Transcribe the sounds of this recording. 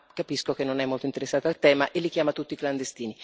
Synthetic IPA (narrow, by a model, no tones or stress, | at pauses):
kapiskok̟enːonɛmːolt̪oint̪eɾesːaːt̪oalt̪ɛːmaʔelːikjaːmat̪ut̪ːikland̪est̪iːni